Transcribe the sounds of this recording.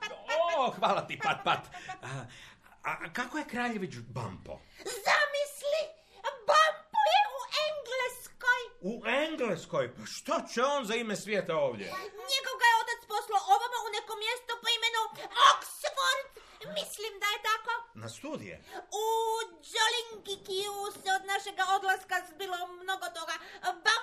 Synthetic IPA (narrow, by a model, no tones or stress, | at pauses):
oxʋaːlat̪ipat̪̚pat̪ː | akakoje̞kɾajeʋit͡ʃba̰mpo̰ | zamisli | bampujeuʔeŋɡleskojueŋɡlesko̞jpaʃt̪ot͡ɕeoːnzaimesʋʲjeːt̪aoːʋd̪jḛɲeɡo̞ʋɡajeo̞t̪at̪sposlaoʋamaunekomjest̪opoimenuoksfoɾd̪ | mislimd̪ajet̪akona̰st̪uːd̪ḭjḛu | d͡ʒoliŋɡikiusod̪naʃeɡaod̪laskabilomno̞ɡot̪o̞ɡaba